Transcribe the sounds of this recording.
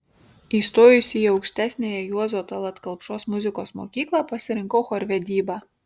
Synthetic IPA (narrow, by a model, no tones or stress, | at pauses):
iːst̪oːjʊsʲijɐʊkʃʲt̪ʲæːsʲnʲeːjɛjuɔzoːt̪ɐlˠɐt̪kɐlˠpʃoːsmʊzʲɪkoːsmo̰ːkʲiːklˠɑpɐsʲɪɾʲɪŋkoːxoɾʲʋʲɛd̪ʲiːbɑ